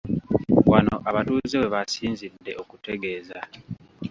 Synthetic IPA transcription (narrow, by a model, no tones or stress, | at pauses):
wano̞̰ʔaβatuːzewe̞βasiːnzidːe̞ʔokute̞ɡe̞ːza